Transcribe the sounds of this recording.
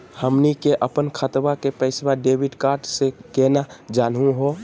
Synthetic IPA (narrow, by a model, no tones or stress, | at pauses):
həmnikeʔəpənkʰət̪bakepəɪsbaɖebiɖkaɾʈsekenad͡ʒanɦũɦo